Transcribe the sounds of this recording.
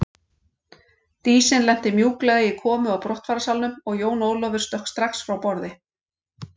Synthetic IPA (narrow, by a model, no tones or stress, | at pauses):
t̪iːsɪnlɛn̥t̪ɪmjuːklɛɣɪkʰɔːmʏawpɾɔht̪faːɾasalnʏmɔɣjoːwnoːwlɔvʏɾ̥st̪œhkst̪ɾaxsfɾawpɔɾðɪ